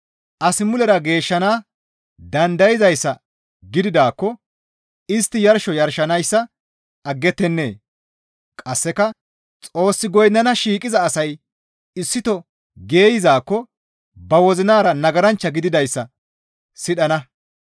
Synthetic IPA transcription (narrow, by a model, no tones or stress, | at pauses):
ʔɐsɪmʊlɛɾɐɡe̞ːʃːɐnaː | d̪ɐnd̪ɐjɪzɐjsːɐ | ɡɪd̪ɪd̪aːkːɔ | ɪst̪ːɪjɐɾʃɔjɐɾʃɐnɐjsːɐ | ɐɡːɛt̪ːɛnːe̞̰ː | kʼɐsːɛkɐ | t͡sʼo̞ːsːɪɡɔjnːɐnɐʃiːkʼɪzɐːsɐj | ɪsːɪt̪ɔ | ɡe̞ːjɪzaːkːɔ | bɐwɔzɪnaːɾɐnɐɡɐɾɐnt͡ʃːɐɡɪd̪ɪd̪ɐjsːɐ | sɪɗɐnɐ